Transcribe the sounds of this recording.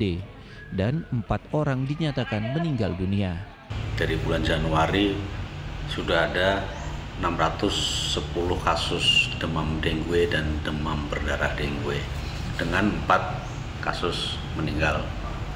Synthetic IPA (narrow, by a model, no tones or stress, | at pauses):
e | danəmpat̪̚oɾaŋdiɲat̪akanməniŋɡa̰ldunia | d̥aɾibuland͡ʒanuaɾi | sudahada | ənamrat̪ʊsːəpulʊhkasʊsd̥əmamdeŋɡuedandəmambərdaɾa̰hdeŋɡue | d̥əŋanəmpat̪̚ | kasʊs | məniŋɡal